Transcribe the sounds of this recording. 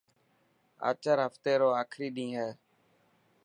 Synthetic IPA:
ə̰ːt͡ʃəɾɦəft̪eːɾoːaːkʰɾiːɗĩːɦɛː

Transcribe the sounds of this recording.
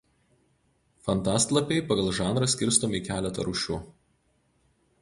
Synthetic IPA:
fɐnt̪ɑːˑst̪lˠɐpʲɛɪpɐɡɐlˠʒɑːnɾɐsʲkʲɪɾst̪oːmʲɪkʲæːlʲɛt̪ɐ̰ɾʊʃʲʊ

